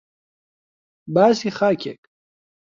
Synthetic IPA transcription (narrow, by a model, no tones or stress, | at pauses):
baːsixaːkʲḛk